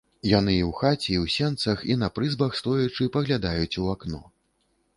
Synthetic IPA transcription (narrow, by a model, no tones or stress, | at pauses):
jan̪ɨiwxat͡sʲiiwsʲɛnt̪sɐxinɐpɾɨzbɐxst̪ɔjut͡ʂɨpɐɣlʲad̪ajut͡sʲuaknɔ̰